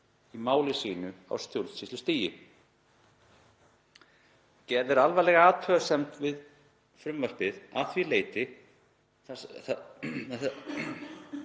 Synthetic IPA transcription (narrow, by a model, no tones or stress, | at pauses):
imaːwlɪsiːnʏa̰wst̪jowlsist̪ʏst̪iːjɪ | cɛːɾðɪɾalvalɛɣaaːt̪ʰœasɛmt̪vɪð | fɾʏmvar̥pɪðaθvileːjt̪ɪ | θ